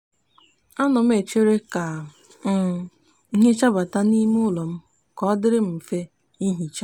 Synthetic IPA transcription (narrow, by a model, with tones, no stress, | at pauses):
a˦nʊ˨m̩˦e˨t͡ʃe˦ɾe˦ka˨˦ | i˦ɦe˦t͡ʃa˦ba˨ta˦ni˦m˦ʊ˦lɔ˨m̩˦ | kɔ˦dɪ˦ɾɪ˦m̩˨fe˦ | i˦ɦi˨t͡ʃa˦